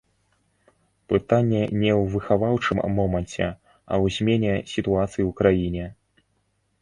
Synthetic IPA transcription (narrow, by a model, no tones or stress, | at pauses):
pɨt̪anʲːɛnʲɛwvɨxavawt͡ʂɨmːɔmɐnʲt͡sʲɛ̰ | ɐ̰wzʲmʲɛnʲɛsʲit̪uat̪sɨjiwkɾajinʲɛ